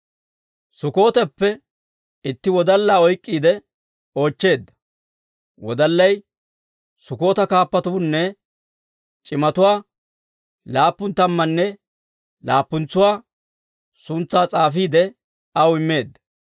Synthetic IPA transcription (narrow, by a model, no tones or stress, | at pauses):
sʊko̞ːt̪ɛpːɛ | ɪt̪ːɪwɔd̪ɐlːaːɔjkʼːiːd̪ɛ | o̞ːt͡ʃːe̞ːd̪ːɐ̥ | wɔd̪ɐlːɐj | sʊko̞ːt̪ɐkaːpːɐt̪ʊʊnːɛ | t͡ʃʼɪmɐt̪ʊwaː | laːpːʊnt̪ɐmːɐnːɛ | laːpːʊnt͡sːʊwaː | sʊnt͡sːaːt͡sʼaːfiːd̪ɛ | ɐwɪmːe̞ːd̪ːɐ